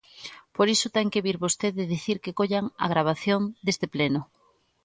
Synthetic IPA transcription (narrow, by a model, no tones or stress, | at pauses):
poɾisʊt̪ɛŋkeβiɾβost̪eðɪðiθiɾkekoʎaŋa̰ɣ̞ɾaβ̞aθjond̪est̪eplenʊ